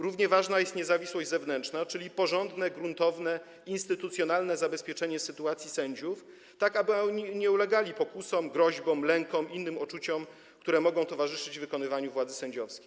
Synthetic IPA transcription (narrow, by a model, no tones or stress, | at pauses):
ɾuvɲɛvaʐnajɛst̪ɲɛzavʲiswɔʑd͡ʑzɛvnɛnt͡ʂnat͡ʂɘlʲipɔʐɔnd̪nɛɡɾunt̪ɔvnɛ | inst̪ɘt̪ut̪sʲjɔnalnɛzabɛspʲjɛt͡ʂɛɲɛsɘt̪uat̪sʲjisɛɲd͡ʑuf | t̪akabɘɔɲiɲɛulɛɡalʲipɔkusɔmɡɾɔʑbɔmlɛŋkɔmʔinːɘmɔt͡ʂut͡ɕɔm | kt̪uɾɛmɔɡɔ̃w̃t̪ɔvaʐɘʂɘd͡ʑvɘkɔnɘvaɲuvwad̪zɘsɛɲd͡ʑɔfskʲe̥